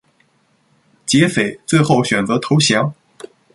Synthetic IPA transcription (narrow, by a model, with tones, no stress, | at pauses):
t͡ɕjɛ˧˥fe˨˩ɪt͡swe˥˧ɪxo˥˩ʊɕɥɛ˨˩nt͡sɤ˧˥t̪ʰo˧˥ʊɕjɑ˧˥ŋ